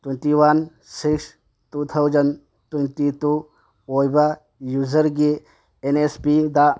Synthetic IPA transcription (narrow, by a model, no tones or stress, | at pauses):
twenʈiwɐn | siks | t̪ut̪ʰɐwd͡ʒɐn | tenʈit̪u | ojba | juzəɾɡe | enespid̪a